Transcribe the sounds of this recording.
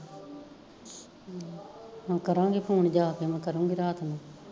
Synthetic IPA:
hãːkəɾãːŋɡeːpʰuːɳd͡ʒaːkeːmɛ̃ːkəɾũːŋɡiɾaːt̪ʰmẽː

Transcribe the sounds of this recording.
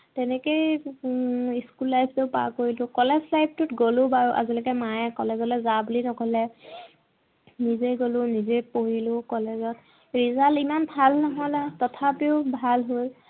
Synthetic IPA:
tɛnɛkej | iskulːajpʰteʊpa̰koɹilʊ̃kɔlɛzʰlajb̚tʊtɡolʊbaɹuʔa̰zilɔkɛmajɛkɔlɛzɔlɔzabulinɔkɔlɛ | nizejɡolʊnizejpoɹilʊkɔlezɔt̚ | ɹizalimanbʱalnɔɦɔlatɔtʰapiʊbʱalɦoj

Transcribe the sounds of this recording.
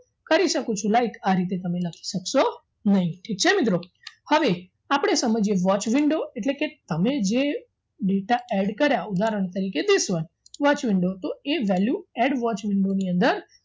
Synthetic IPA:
kəɾiʃəkũt͡ʃʰũlaikaɾit̪̬et̪əmeləkʰi̥ʃəkʃo | nəɦĩʈʰik̚t͡ʃʰemɪt̪ɾo | həʋe | apɽ̃esəməd͡ʒeʋɔt͡ʃʋɪɳɖoeʈleket̪əmed͡ʒe | ɖeʈaɛɖkəɾjaud̪aɾəɳ̃t̪əɾiked̪isʋən | ʋɔt͡ʃʋɪɳɖot̪oeʋɛljuɛɖʋɔt͡ʃʋɪɳɖoniənd̪əɾ

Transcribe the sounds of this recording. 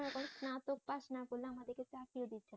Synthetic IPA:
ɛkɔnsnat̪ok̚paʃnakoleamad̪eɾket͡ɕapiod̪itːɕʰe

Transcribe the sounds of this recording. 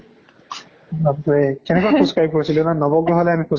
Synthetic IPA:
at̪ɔɹɛkɛnɛkwasũskɹajib̚koɹisilʊ̃nanɔbɔɡɹɔɦɔlɛamixu

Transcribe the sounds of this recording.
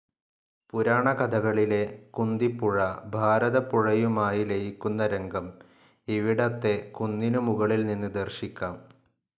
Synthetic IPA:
puɾaːɳɐkɐd̪ʱɐɣɐɭile̞kund̪ipːuɻɐbʱaːɾɐðɐpuɻɐjumaːjilejikʲːunːɐɾeŋɡɐm | iʋiɽɐt̪ːe̞kund̪inumuɣɐɭilninːɨd̪ɐrɕikʲːaːm

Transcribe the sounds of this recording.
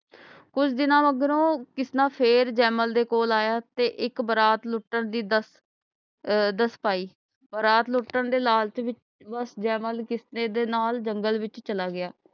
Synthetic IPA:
kʊt͡ʃʰd̪ɪnãːʋəɡɾõːkɪsnãːpʰeːɾd͡ʒɛːməld̪eːkoːlaːjaːt̪eːʔɪkbəɾaːt̪lʊʈːəɳd̪iːd̪əs | d̪əspaːiː | bəɾaːt̪lʊʈːəɳd̪eːlaːlt͡ʃʋɪt͡ʃ | bəsd͡ʒɛːməlkɪsneːd̪eːnaːld͡ʒəŋɡəlʋɪt͡ʃt͡ʃəlaːɡɪjaː

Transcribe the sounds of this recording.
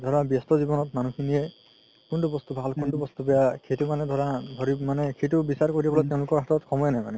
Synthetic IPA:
d̪ʱɔɹabjɔstɔzibɔnɔtmanukʰinijɛ | kuntubɔst̪ubʱalkuntubɔst̪ubɛjakʰetumanɛd̪ʱɔɹadʱɔɹimanɛkʰetubisaɹkoɹibɔlɔjt̬ɛʊ̃lʊkɔɹɦatɔtkʰɔmɔjnajma̰nɛ

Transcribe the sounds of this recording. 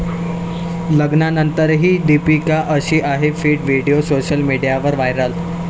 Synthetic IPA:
ləɡnanənt̪əɾɦiːɖipikaʔəɕiːʔaɦefiːʈʋiɽijosoɕəlmiɽijaʋəɾʋajɾəl

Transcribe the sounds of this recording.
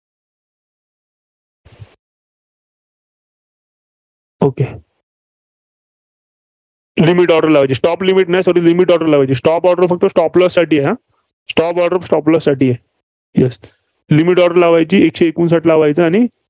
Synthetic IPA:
oke | limiʈɔɽəɾlaʋajt͡ɕiːsʈɔplimiʈnajsɔɾiːlimiʈɔɽəɾlaʋajt͡ɕiːsʈɔpɔɽɖəɾfək̚t̪əsʈɔpləsːaʈiːjɛɦa | sʈɔpɔɖəɾfsʈɔpləsːaʈiːjɛ | jɛs | limiʈɔɽəɾlaʋajt͡ɕiːekɕeːkuːnsaʈlaʋajt͡səaɽ̃i

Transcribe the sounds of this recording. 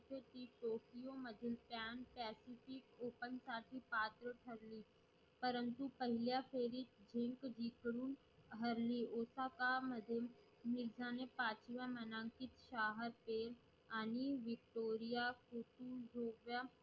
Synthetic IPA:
t̪ot̪iʈoːkijomɐd̪ʱɪlpjaːnpɛːsifɪkoːpən̆saːʈʰipaːt̪ɾəʈʰɐɾli | pɐɾənt̪upɐɦɪljafʰeːɾid͡ʑʱɪ̃ŋkd͡ʑiːkɾuːn | ɦɐɾlioːsakamɐd̪ʱɪm | mɪɾzaːnepaːt͡ɕʋjãmɐnãːŋkɪt̪ʃaːɦəɾpeːɾ | aːniʋɪk̚ʈoːɾijakut̪ud͡ʒʱoːɡʋjã

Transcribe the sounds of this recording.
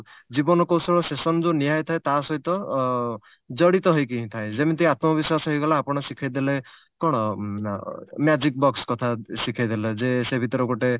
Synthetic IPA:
d͡ʒibɔnɔkowsɔɭɔsesɔnd͡ʒoniɦajt̪ʰaet̪asɔɦit̪ɔ | d͡ʒɔɽit̪ɔɦɔjkiɦĩt̪ʰaẽd͡ʒemet̪ijat̪mɔbiswasɔɦɔjɡɔlaːpɔɽ̃ɔsikʰajd̪ele | kɔɽ̃ɔ | mjad͡ʒik̚bɔkskɔt̪ʰasikʰajd̪eled͡ʒesebʱit̪ɔɾɔkoʈe

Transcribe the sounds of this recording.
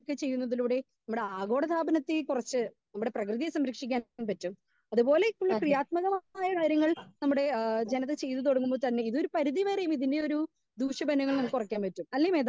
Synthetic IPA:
kːɨt͡ɕe̞jːunːɐðiluːɽe̞nɐmːuɽe̞aːɡo̞ːɽɐt̪ʰaːbɐnɐt̪ːikurɐt͡ɕːɨ | nɐmːuɽe̞prɐkrɨðijɐsɐmɾɐkʂikʲːaːnpɐtːum | ɐðupo̞ːle̞ikʲːuɭːɐkrijaːt̪̚mɐɣɐmaːjɐkaːɾjɐŋːɐɭnɐmːuɽe̞d͡ʑe̞nɐt̪ːet͡ɕe̞jt̪ːɨt̪oɽɐŋːumboːt̪ɐnːe̞iðo̞ɾupɐɾiðiʋeːrejumiðindeoɾu | d̪uːʂjɐbɐnɐŋːɐɭnɐmːukːurɐkʲːaːnpɐtːumɐlːɐjume̞ːð

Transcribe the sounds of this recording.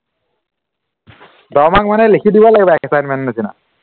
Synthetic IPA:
dɔmak̚manɛlikʰidibɔlaɡibaɛkʰɛsajnmɛnnasina̰

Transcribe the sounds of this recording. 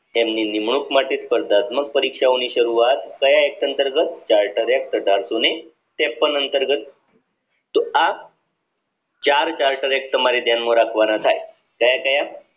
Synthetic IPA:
emninimɳ̃ukmaʈispəɾd̪ʱat̪mək̚pəɾikʂaoñiːɕəɾuʋat̪kəjaek̚t̪ənt̪əɾɡət̪t͡ɕaɾʈəɾek̚t̪əɖaɾsune | t̪epənənt̪əɾɡət̪ | t̪oa | t͡ɕaɾt͡ɕaɾʈəɾek̚t̪əmaɾiːd̪ʱjanməɾakʰʋanat̪ʰaj | kajakaja

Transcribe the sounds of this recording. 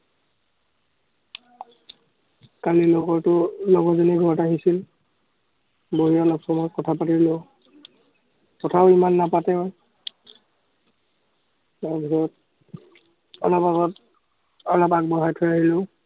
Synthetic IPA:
kanilɔɡɔɹtʊlɔɡɔzɔniɡʱɔɹɔtaɦisil | boɦijaɔlɔpsɔmɔkɔtʰapatilo | kɔtʰaʊimanːapatɛɔj | lɔɡʱɔɔɔt̚ | ɔlɔpaɔt | ɔlɔpak̚bɔɦajtʰɔjaɦilʊ

